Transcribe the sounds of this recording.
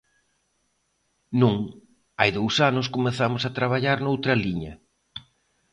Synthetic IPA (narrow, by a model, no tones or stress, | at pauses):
nũŋ | ajðowsanʊskomeθamʊsat̪ɾaβaʎaɾnowt̪ɾɐliɲɐ